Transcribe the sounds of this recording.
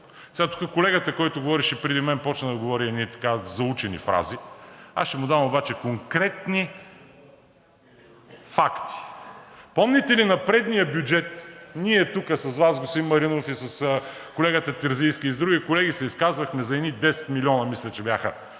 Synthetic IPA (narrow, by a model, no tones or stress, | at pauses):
sɛat̪u̥kəkolɛɡət̪əkɔjt̪ʊɡovɔɾiʃipɾɛd̪imɛnpɔt͡ʃnəd̪ɐɡovɔɾiɛnit̪ɐ̥kazɐut͡ʃɛnḭfɾa̰zia̰sʃɛmʊd̪avɐmobat͡ʃɛkoŋkɾɛt̪ni | fakt̪i̥pɔmnʲit̪ɛlinɐpɾɛd̪nijəbʲjud͡ʒɛt̪niɛt̪ukəsɐsvasɡosimːɐɾinofisɐskolɛɡət̪ət̪ɛɾzijskiːzd̪ɾuɡikolɛɡisɛiskazvɐxmɛzɐɛnid̪ɛsɛ̥t̪miliɔnɐmislʲɛt͡ʃɛbʲjaxə